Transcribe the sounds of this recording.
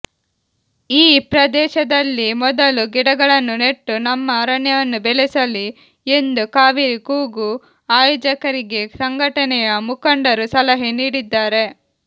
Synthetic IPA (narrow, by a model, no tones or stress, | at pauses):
iːpɾɐd̪ɛːʃɐd̪ɐlːimɔd̪ɐluɡiɽɐɡɐɭɐnːune̞ʈːunɐmːɐɾɐɳjɐʋɐnːubelesɐli | end̪ukaːʋiɾikuːɡu | aːjoːd͡ʒɐkɐɾiɡe̞sɐŋɡʱɐʈɐnɛjɐmukɐɳɖɐɾusɐlɐɦeniːɽid̪ːaːɾe̞